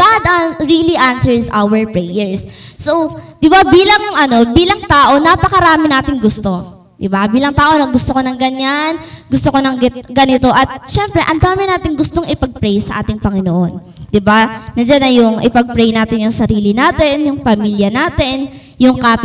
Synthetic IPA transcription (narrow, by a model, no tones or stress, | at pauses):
ɡ̥ad̪aɹiliʔansɛɹsʔawɛɹpɹɛjɛɹsːowd̪̥ɪbabiːlɐŋʔɐno̞biːlɐŋt̪aːʔo̞napɐkɐɾaːmɪnaːt̪ɪŋɡʊst̪o̞ | d̪ɪbabiːlɐŋt̪aːʔo̞nɐɡʊst̪okonɐŋɡɐɲːanɡʊst̪okonɐŋɡɪt̪̚ɡɐnɪt̪o̞ʔɐt̪̚ʃɛmpɾɛʔɐnd̪aːmɪnaːt̪ɪŋɡʊst̪oŋɪpɐɡ̚pɾɛjsɐʔa̰ːt̪ɪŋpɐŋɪnoʔo̞n | d̪̥ɪbanɐd͡ʒanɐjʊŋʔɪpɐɡ̚pɾɛjnaːt̪ɪnjʊŋsɐɾiːlɪnaːt̪ɛnjʊŋpɐmiːljɐnaːt̪ɪn | jʊŋkaːp